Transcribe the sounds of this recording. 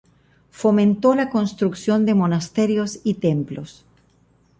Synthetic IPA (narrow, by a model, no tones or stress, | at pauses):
fomẽnt̪olako̞nst̪ɾuksjo̞nd̪emonast̪eɾjosit̪emplos